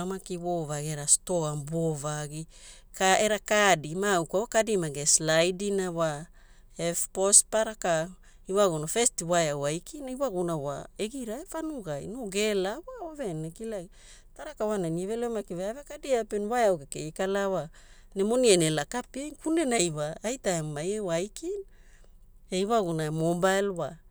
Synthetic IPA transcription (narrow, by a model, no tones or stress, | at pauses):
amakiwovaɡieɾastoambovaɡi | kaeɾakadimawkawakadimaɡeslajdinawa | efpospaɾaka | iwaɡonafestiwajawajkʰinaiwaɡunawa̰eɡiɾaefanuɡajnoɡe̞lawaovenekila | taɾakawananievelemakiveavekadiapenwajawkekeikalawa | nemonienelakapenkunenajwaːjtaemmajewajkʰin | eiwaɡunamobajlwa